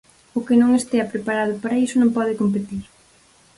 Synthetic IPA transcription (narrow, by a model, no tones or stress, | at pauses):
ʊkɪnõŋest̪eɐpɾepaɾað̞ʊpaɾɐisʊnõmpɔðɪkomp̬et̪iɾ